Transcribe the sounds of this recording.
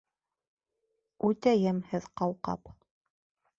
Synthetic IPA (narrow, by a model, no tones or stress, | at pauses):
ʉt̪æjɘmhɘðqɑlˠqɑ̰p